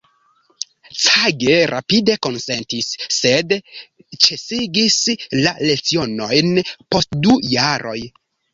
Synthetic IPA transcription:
t͡saɡe̞ɾʔa̰pide̞ko̞nse̞ntisːe̞d | t͡ʃe̞siɡislale̞t͡sio̞no̞jnpo̞stdujaɾo̞j

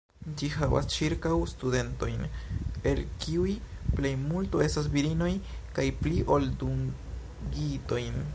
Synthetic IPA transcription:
d͡ʒiɦava̰st͡ʃiɾkawstude̞nto̞jne̞lkiujple̞jmultoe̞stas̬biɾino̞jkajpliʔo̞lduŋ | ɡito̞jn

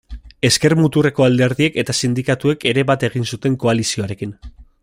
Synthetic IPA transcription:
e̞ske̞ɾmut̪ure̞ko̞ald̪e̞ɾðie̞ke̞t̪asind̪ikat̪ue̞ke̞ɾe̞βat̪e̞ɣ̞insut̪e̞ŋko̞alisio̞aɾe̞kin

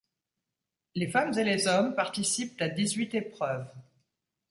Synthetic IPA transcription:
lefamzelezɔmpaʁt̪isip̚t̪ad̪izɥit̪epχœv

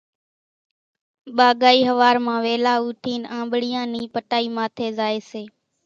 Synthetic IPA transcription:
ɓaːɠaːiːɦəʋaːɾmãːʋeːlaːuːʈʰiːnãːmbɽɪjãːniːpəʈaːiːmaːt̪ʰeːzaːeːseː

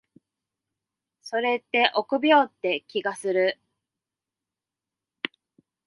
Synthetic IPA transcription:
so̞ɾe̞t̪ːe̞ʔo̞kɯ̟bʲjo̞ːt̪ːe̞kʲiɡasɨɾɯ̟

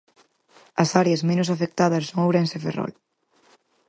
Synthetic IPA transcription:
ɐsaɾjɐzmenʊsafek̚t̪aðɐsːoŋawɾenseferɔ̰l

